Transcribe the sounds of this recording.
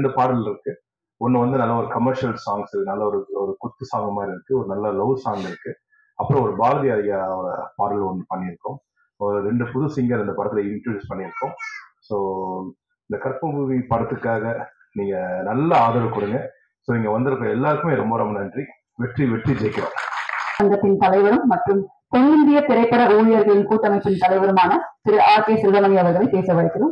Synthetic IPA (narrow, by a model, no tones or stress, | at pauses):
ɾɳɖɯpaːɾɐlɪɾɯkːɯ | ɔnːɐʋɐnd̪ɯnɐlːɐɔɾɯkɐmːɐɾʂɐlsaːŋɡsɾkːɯnɐlːɐɔɾɯɔɾɯkʊt̪ːɯsaːŋɡɐmaːɪɾɪɾɯkːɯɔɾɯnɐlːɐlɐʊdsaːŋɡɪɾɯkːɯ | ɐpːɯɾɔ̃ɔɾɯbaːlɐðɪɐːɾɐjaːɾɐpaːɾɐlɔnd̪ɯpɐɳːɪɾɯkːʊ̃ | soɾɾɛɳɖɯpʊðʊsɪŋɡɐɪnd̪ɐpɐɽɐt̪ːɪlɐɪɳʈɾɯjuːspɐɳːɪɾɯkːʊ̃soː | ɪnd̪ɐkɐɾpɐbuipɐɽɐt̪ːɯkːaːɣɐ | niːŋɡɐnɐlːɐaːðɐɾɯkʊɽɯŋɡɐ | soːnɪŋɡɐʋɐnd̪ɯɾɐkːɐɛlːaːɾɯkːɯmeːɾɔmbɐɾɐmɐnɐndri | ʋɛʈriʋɛʈrid͡ʒɛɪkːɐlɐ̰̃ːɐŋɡɐt̪ːɪnt̪ɐlɐɪʋɐɾɯmːɐʈrɯm | kɔnɡɪnd̪ɪjɐt̪ɪɾɐɪpːɐɾɐuːɻɪjɐɾɣɐɭɪnkuːʈːɐmɐɪpːɪnt̪ɐlɐɪʋɐɾɯmaːnɐsɪɾɯʔaːɾkeːsɪɾʋɐlɐŋɪɐʋɐɾɣɐɭɐɪpeːsɐʋɐɽɐɪkːɪɾɯm